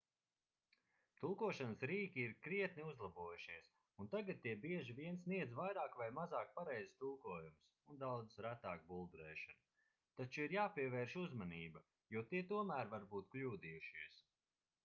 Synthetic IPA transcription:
t̪ulˠkuɔʃanəsɾiːkʲiːɾkɾiɛt̪niuzlˠabuɔjuʃiɛs | unt̪aɡat̪̚t̪iɛbiɛʒiviɛnsniɛd̪zvajɾaːkvajmazɑːk̚paɾɛjzist̪ulˠkuɔjumsund̪awd̪zsɾæt̪aːk̚bulˠd̪uɾɛ̰ːʃanu | t̪at͡ʃuiɾjaːpʲiɛvɛːɾʃuzmaniːbɐ | juɔt̪iɛt̪uɔmæːɾvaɾbuːt̪klʲuːd̪ijuʃiɛs

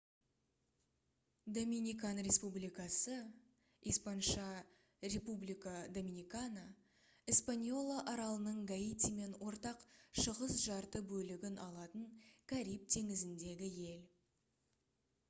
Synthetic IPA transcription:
d̪ominʲikanɾʲe̞spublijkɑsə | ispɑnʃɑ | ɾe̞publijkad̪o̞mʲinʲijkana | ispanʲjo̞lˠaʔɑɾɑlˠənəɴɡaijt̪ʲime̞nwʔo̞ɾt̪ɑqʃəʁəsʒɑɾt̪əbɵlɪɡʲɪnɑlˠɑt̪əɴkʲʰaɾijp̚t̪ʰe̞ŋɪzɪnd̪e̞ɡʲɪje̞l

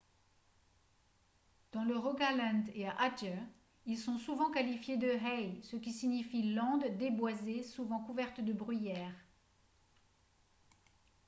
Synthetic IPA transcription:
d̪̥ɑ̃ləʁɔɡalãnd̪eaʔad͡ʒə | ilsɔ̃suvɑ̃kalifjed̪əɦɛjsəkʲisiɲifilɑ̃d̪ːebwazesuvɑ̃kuvɛʁt̪d̪əbʁyjɛːʁ

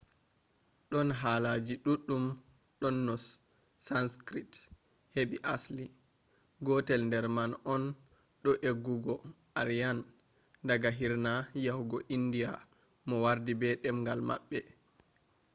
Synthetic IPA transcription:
ɗɔnɦalad͡ʒiɗuɗːum | ɗɔnːɔsː | anskɾit | heɓiʔasli | ɡɔtɛlndɛɾmanʔɔn | ɗɔʔeɡːuɡɔ | aɾijan | daɡaɦiɾnajahuɡɔʔindija | mɔwaɾdibɛɗɛmŋɡalma̰ɓːɛ

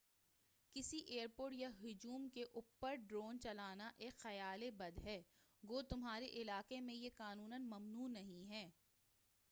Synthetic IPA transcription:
kɪsiʔeːəɾpoːɾʈjaɦʊd͡ʒuːmkeʔuːpːəɾɖɾoːnt͡ʃɐlaːnaʔeːkxɐjaːlebɐd̪ɦɛːɡoːt̪ʊmɦaːɾeʔɪlaːqemẽjekaːnuːnənmɐmnuːnɐɦĩɦɛː

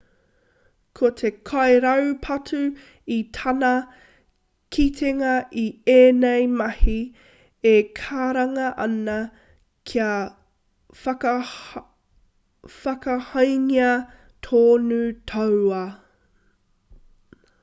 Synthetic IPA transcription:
kʰotʰekʰɐjɾɐwpʰɐtʰʉ | itʰɐnɐ | kʰitʰeŋɐʔieːnejmɐhi | ekʰaːɾɐŋɐʔɐnɐ | kʰiɐ | fɐk | fɐkɐhɐjŋiɐ | tʰoːnutʰɐwɐ

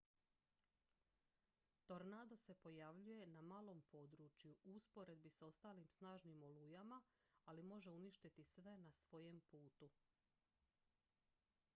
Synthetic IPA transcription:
t̪o̞ɾnaːd̪o̞se̞po̞jaʋʎuje̞namaːlˠo̞mpo̞ːd̪ɾut͡ʃjuuspo̞ɾe̞d̪̚biso̞st̪aːlimsnaːʒnimo̞lujama | alimo̞ʒe̞uniʃt̪it̪isʋe̞nasʋo̞je̞mpuːt̪u

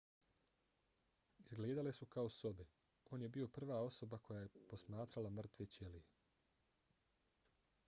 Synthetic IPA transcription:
izɡleːd̪ale̞sukao̞so̞be | o̞ːnje̞biːo̞pr̩ʋaːo̞so̞bako̞jajepo̞smaːt̪ɾalamr̩t̪ʋet͡ɕelije

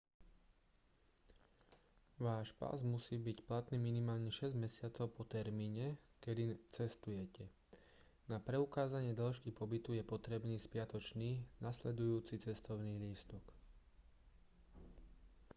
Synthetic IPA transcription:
ʋaːʃpa̰zmusiːbicplat̪niːminimaːlɲɛʃɛzɟmɛsɪat͡sɔʊpɔt̪ɛɾmiːɲɛkɛd̪it͡sɛst̪ujɛcɛ | napɾɛukaːzaɲɪɛd̪ɔlʃkipɔbit̪ujɛpɔt̪ɾɛbniːspɪat̪ɔt͡ʃniːnaslɛd̪ujuːt͡sit͡sɛst̪ɔʊniːliːst̪ɔk

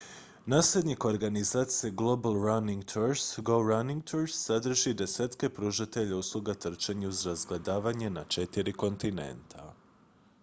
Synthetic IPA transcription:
naːsled̪niko̞ɾɡanizaːt̪sije̞ɡlˠo̞balˠɾaniŋɡt̪ʰuɾsɡoɾaniŋɡ̚t̪ʰuɾsːad̪r̩ʒid̪e̞set̪ke̞pɾuːʒat̪e̞ʎauslˠuɡat̪r̩t͡ʃeɲuuzɾazɡle̞d̪aːʋaɲenat͡ʃe̞t̪iɾiko̞nt̪inḛnt̪ʰa

